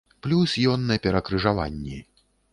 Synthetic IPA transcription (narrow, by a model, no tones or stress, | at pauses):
plʲusjɔnːɐjɐpʲɛɾɐkɾɨʐava̰nʲːɛ̰